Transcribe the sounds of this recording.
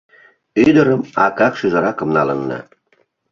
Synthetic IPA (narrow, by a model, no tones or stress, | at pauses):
yd̪əɾəmɑkɑkʃyʒəɾɑkə̆mnɑlənːɑ̰